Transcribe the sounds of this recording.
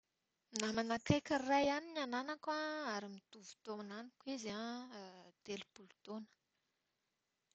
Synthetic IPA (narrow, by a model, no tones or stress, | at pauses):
namanakejkʲərajaninananakaaɾimid̪̥uvu̥t̪oananikwiza | d̪̥elib̥ulut̪onə̥